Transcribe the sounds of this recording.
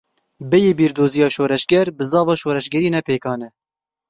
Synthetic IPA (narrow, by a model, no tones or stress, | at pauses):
bɛjeːbiːɾd̪oːzijɑːʃoːɾɛʃɡɛɾbɨzɑːvɑːʃoːɾɛʃɡɛɾiːnɛpeːkɑːnɛ